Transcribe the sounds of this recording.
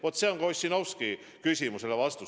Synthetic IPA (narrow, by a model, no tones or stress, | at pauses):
vo̞t̪ːˑse̞oŋkosʲːino̞wski | kysʲimuse̞levɑst̪u